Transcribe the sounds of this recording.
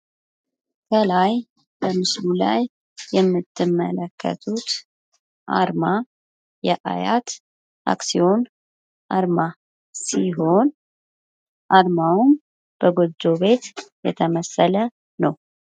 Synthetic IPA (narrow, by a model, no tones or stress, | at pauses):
kʰəlaj | b̥əmɨslula̰jː | ɛmːɨt̪ʰːɨmːə̰ləkʰːə̰t̪ʰut̪ | ʔaɾma | jɛʔa̰jat̪ | ʔa̰ksio̞n | ʔaɾma | siɦo̞n | ʔaɾmawum | b̥əɡod͡ʒo̞βe̞t̪jɛt̪ʰəməsələ | nəw